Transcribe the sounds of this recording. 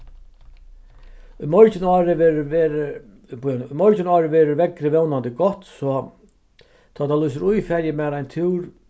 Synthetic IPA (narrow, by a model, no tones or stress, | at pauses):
ʊjmɔɹt͡ɕɪnaːɾɪ | nʊjmɔɾt͡ʃɪnɔːɾɪʋɛːɾʊɾʋɛkɾɪʋɛwnant̪ɪɡɔht̪sɔ | t̪ʰaːt̪ʰalujsɪɾujfɛɾjɪmɛːðajnt̪ʰuwɾ